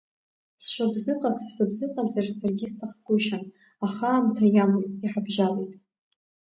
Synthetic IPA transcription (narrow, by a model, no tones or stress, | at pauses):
sʃʷabzɨqʼat͡sʰasabzɨqʼazarsarɡʲistʰaχkʷʼʊʃan | aχaːmtʰajamojtʼiħabʒalejtʼ